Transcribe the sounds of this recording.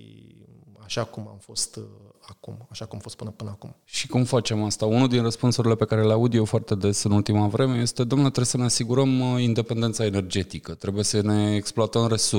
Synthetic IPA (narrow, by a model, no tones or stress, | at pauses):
ḭ | aʃakuma̰mfo̞st̪ | akumaʃakumafo̞st̪pɨnəpɨnəakumʃikumfat͡ʃe̞mast̪aunud̪inrəspunsuɾile̞pe̞kaɾe̞leaud̪je̞foart̪e̞d̪e̞sɨnult̪imavɾe̞me̞je̞st̪e̞d̪omnet̪ɾesəne̞asiɡuɾəmind̪e̞pe̞nd̪et̪sae̞ne̞rd͡ʒe̞t̪ikət̪ɾe̞buje̞səne̞ːksploat̪əmre̞su